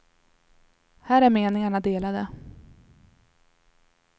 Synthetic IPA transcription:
hæːɾæɾmeːnɪŋaɳad̪eːlad̪ə

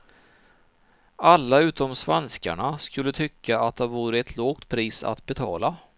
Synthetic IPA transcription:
alːaʉ̟ːt̪ɔmsvɛnska̰ɳaskɵlːət̪ʰʏkʰːaat̪̚d̪ɛhaɾvuːɾɪɛt̪ʰloːɡ̚t̪pʰɾiːsa̰t̪bɛt̪ʰɑ̰ːla

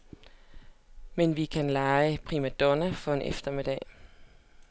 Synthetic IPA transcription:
menʋikʰænlɑ̈ɪəpʰʁimæd̥ɔnæfɒ̽e̝nʔefd̥ɐmed̥ɛ̰ː

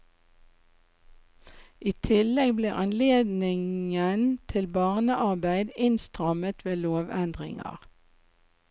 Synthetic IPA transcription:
ʔiːt̪ʰɪlɛɡbliːʔɑnleːd̪nɪŋənt̪ʰɪlbɑːʁnəʔɑʁbæɪd̪ɪnst̪ʁɑmət̪ʋeːloːʋɛnd̪ʁɪ̰ŋɑ̰ʁ

